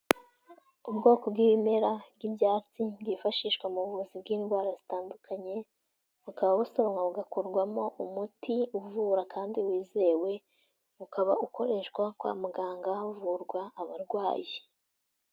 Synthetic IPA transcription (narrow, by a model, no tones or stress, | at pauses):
ubɡo̞ːko̞bɡiβime̞ɾabɡibjaːt͡sibɡifaʃiːʃkwamuβuzibɡiːnɡwaːɾazitaːndukʰaɲe̞ | βukaβaβusoβaŋaβuɡakoɾɡwamo̞ʔumutiuvuɾakʰaːndiwiːzewe̞ | ukaβauko̞ɾe̞ʃkwakwa̰ːmuɡaːŋɡauvuɾɡwaːβaɾɡwaːji